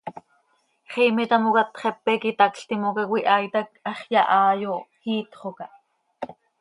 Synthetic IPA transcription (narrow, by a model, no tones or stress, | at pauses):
χiːmɛt̪ɑmokɑt̪χɛpːɛkit̪ɑkɬt̪imokɑkwiʔɑjt̪ɑk̚ʔɑχjɑʔɑːjohiːt̪χokɑʔ